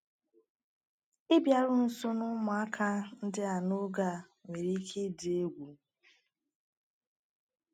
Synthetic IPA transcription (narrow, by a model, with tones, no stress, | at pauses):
ɪ˦bja˨ɾʊ˦n̩˨sʊ˦nʊ˦mʊ˨a˦kʰa˦n̩˦dɪ˦a˨no˦ɡa˨ | me˨ɾi˦kʰe˦dɪ˨e˦ɡʷu˨